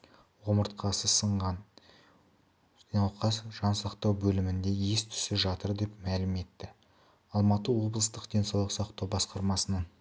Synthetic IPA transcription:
wo̞məɾt̪qʰɑsəsəɴʁɑn | ɑwqʰɑsʒɑnsɑqt̪ɑwbɵlɪmɪnd̪e̞jest̪ʰʏ̥sɪʒɑt̪əɾd̪e̞pmælɪme̞t̪ːɪ | ɑlˠmɑt̪əwo̞blˠəst̪əqd̪e̞nsɑwlˠəsɑqt̪ɑwbɑsqɑɾmɑsənɑn

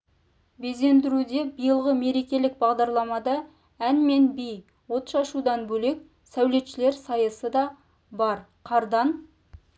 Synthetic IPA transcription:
be̞ze̞nd̪ɪɾud̪e̞bijəlˠʁəme̞ɾe̞kʲe̞lɪk̚bɑʁd̪ɑɾlˠɑmɑd̪ɑ | ænme̞nbij | wo̞t̪ʃɑʃud̪ɑnbɵle̞k̚ | sæwle̞t̪ʃɪle̞ɾsɑjəsəd̪ɑ | bɑɾqʰɑɾd̪ɑn

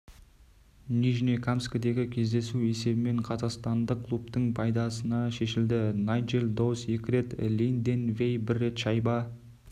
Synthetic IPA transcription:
niʒinekʰamskəd̪e̞ɡʲɪkʲʰe̞zd̪e̞sue̞se̞bɪme̞ɴqʰɑzɑqst̪ɑnd̪əqkʰːlˠupt̪əɴpʰɑjd̪ɑsənɑʃe̞ʃɪld̪ɪnajd͡ʒeld̪ose̞kʲɪɾe̞t̪lʲind̪enve̞jbɪɾːe̞t̪ʃɑjbɑ

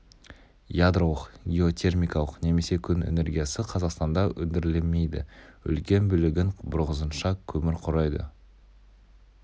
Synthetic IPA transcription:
jad̪rolˠəqɡʲeo̞t̪ʲʰe̞rmʲijkɑlˠəqne̞me̞se̞kʲʰʏnḛne̞ɾɡʲijasɪqʰɑzɑqst̪ɑnd̪ɑʔɵnd̪ɪɾɪleme̞jd̪ɪ̰ʏ̰lkʲe̞nbʏlɪɡʲɪŋbʊɾʁəzənʃɑkʲʰɵmɪɾqʰʊɾɑjd̪ə̰

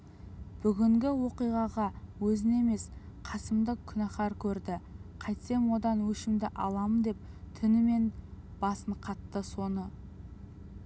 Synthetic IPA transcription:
b̥ʏɡʲɪŋɡʲɪwo̞qijʁɑʁɑwɵzɪne̞me̞s | qʰɑsəmd̪əkʲʰʏnæχɑɾkʲʰɵɾd̪ɪqʰɑjt̪se̞mwo̞d̪ɑnwɵʃɪmd̪ɪʔɑlˠɑmənd̪e̞p̚ | t̪ʰɪnɪme̞nb̥ɑsəɴqʰɑt̪ːəso̞nə

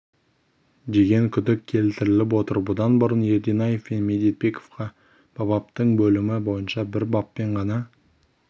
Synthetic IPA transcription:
d̪e̞ɡʲe̞ŋkʲʰʏd̪ɪkʲʰːe̞lt̪ɪɾɪlɪp̬wo̞t̪əɾbʊd̪ɑnbʊɾənje̞ɾd̪inɑje̞fmenmʲe̞d̪et̪̚be̞kʰo̥fqɑ | b̥ɑbɑp̚t̪əɴbɵlɪmɪbo̞jənʃɑbɪɾbɑpːe̞ɴʁɑnɑ

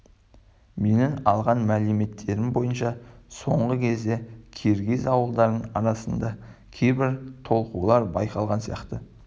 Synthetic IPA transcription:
me̞nɪnɑlˠʁɑnmælɪme̞t̪ʰːe̞ɾɪmbo̞jənʃɑso̞ɴʁəkʲʰe̞zd̪e̞kʲʰeɾɡʲezɑwəlˠd̪ɑɾd̪əɴɑ̰ɾɑsənd̪ɑkʲʰejbɪɾt̪ʰo̞lˠqulˠɑɾbɑjqɑlˠʁɑnsijɑqt̪ə

